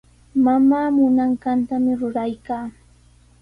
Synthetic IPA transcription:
mamaːmʊnaɴkant̪amɪɾʊɾajkaː

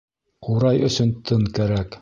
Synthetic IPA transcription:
quɾɑjɵ̆sɵnt̪ʰɤŋkæɾæk

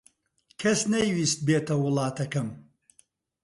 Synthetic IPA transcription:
kʰɐsnɐjwist̪̚beːt̪ɐwʊlˠɑːt̪ʰɐkɐm

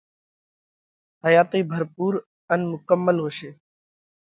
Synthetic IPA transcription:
ɦəjaːt̪iːbʱəɾpuːɾ | ənmʊkəmːəlɦoːʃeː

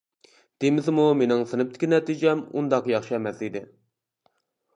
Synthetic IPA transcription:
d̪̥emɪzmumenɪŋsɨnɨp̚t̪ʰɪ̥kʲinɛt̪id͡ʒɛmund̪ɑqjɑχʃɛmɛsid̪ɪ

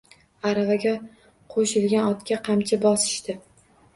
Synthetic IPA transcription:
aɾavaɡʲa | qʰoʃɪlɡʲanɒt̪kʲaqʰɑmt͡ʃʰabɒsɪ̥ʃt̪ɪ

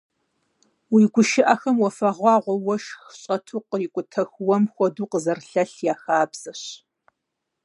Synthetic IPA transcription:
wiːɡʷʊʃɪʔɐxɐmwɔfɐʁʷɑːʁʷɔwɔʃxɕʼɐtʰuːqəjɪkʷʼʊtʰɐxwɔmxʷɔduːqəzɐrɬɐɬjaːxaːbz̥ɐɕ

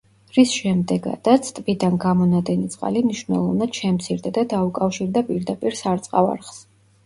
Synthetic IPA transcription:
ɾisʃɛmd̪ɛɡa̰d̪̥at̪sʰt̪ʼvid̪anɡamɔnad̪ɛnit̪sʼqʼa̰limniʃwnɛ̰lˠɔvnad̪̥ʃɛmt̪sʰiɾd̪ad̪ad̪aukʼafʃiɾd̪apʼiɾd̪apʼiɾsaɾt̪sʼqʼava̰ɾχs

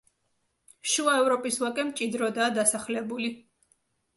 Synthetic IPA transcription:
ʃuaɛvɾɔpʼiswakʼɛmt͡ʃʼid̪ɾɔd̪aːd̪asaχlɛbuli

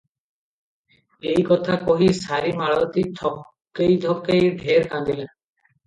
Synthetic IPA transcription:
ejkɔt̪ʰakɔɦisaɾimaɭɔt̪it̪ʰɔk | kːejd̪ʱɔkːejɖʱeɾkãnd̪ila

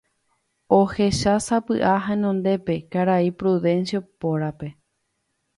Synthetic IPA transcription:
o̞he̞ʃasapɨʔaɦaẽnõ̞nd̪e̞pe̞kaɾaipɾuðẽ̞nsjopoɾape̞

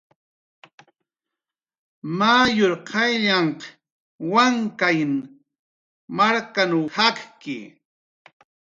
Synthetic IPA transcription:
majoɾqʰɑjʎaɴq | waŋkajn | maɾkanawhakkɪ̰

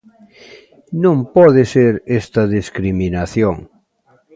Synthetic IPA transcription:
nõmpɔðeseɾest̪ɐðiskɾiminaθjoŋ

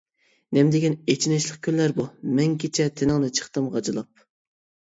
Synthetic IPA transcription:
nɛmd̪ɪɡʲɛnet͡ʃʰinɛʃlˠəq̚kʲʰønlæɾbumɛŋkʲʰet͡ʃʰɛt̪ʰenɨŋnɨt͡ʃʰə̥χt̪ɨmʁɑd͡ʒɨlˠɑp̚

